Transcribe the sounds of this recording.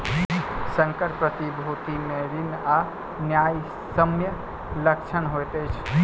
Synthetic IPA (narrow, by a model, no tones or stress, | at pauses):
sə̃ŋkəɾpɾət̪ibʱot̪imeɾina | njaj | səmjə | lək̚t͡ʃʰənɦojt̪ət͡ʃʰ